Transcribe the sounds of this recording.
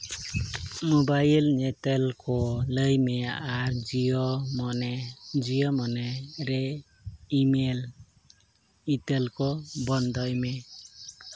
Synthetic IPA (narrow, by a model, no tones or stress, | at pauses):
mobajlnetelkɔləjmeaɾd͡ʒiɔmɔnɛd͡ʒiɔmɔneɾe | imel | itelkɔbɔnd̪ɔjme